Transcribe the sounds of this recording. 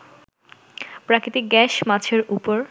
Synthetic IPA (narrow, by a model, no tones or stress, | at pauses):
pɾakɾit̪iɡɛʃmat͡ɕʰeɾupoɾ